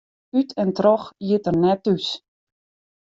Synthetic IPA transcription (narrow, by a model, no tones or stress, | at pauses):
ytʰɛntrɔxjɪtərnɛtys